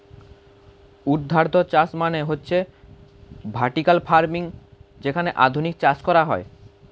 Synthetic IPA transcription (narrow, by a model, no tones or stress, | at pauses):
ud̪ʱːaɾt̪ot͡ɕat͡ɕmaneɦotːɕʰe | bʱaɾʈikalfʰaɾmiŋd͡ʑekʰaneʔa̰d̪ʱunik̚t͡ɕat͡ɕkɔɾaɦɔe